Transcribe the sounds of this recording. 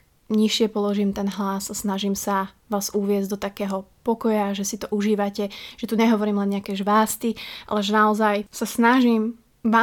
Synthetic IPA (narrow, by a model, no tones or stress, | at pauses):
ɲiʃɪɛpɔlɔʒiːmt̪ɛnɦlasasnaʒiːmsa | ʋaːzuʋɪɛzɟd̪ɔt̪akɛːɦɔpɔkɔjaʒɛsit̪ɔʔuʒiːʋacɛʒ̥ɛt̪uɲɛɦɔʋɔɾiːmlɛnɲɪakɛːʒʋaːst̪ia̰lɛʒɛnaɔzajsasnaʒim | ʋa